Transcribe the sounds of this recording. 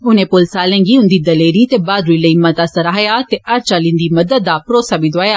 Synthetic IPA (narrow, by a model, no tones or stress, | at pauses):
ʊnẽːpʊlsaːlẽːŋɡiːʊ̃nd̪iːd̪ɐleːɾiːt̪eːbaːd̪ɾuiləiːmɐt̪aːsɐɾaːjaːt̪eʔɐɾt͡ʃaːlɪ̃nd̪iːmɐd̪əd̪̚ːaːpɾoːsaːbiːd̪oaːjaː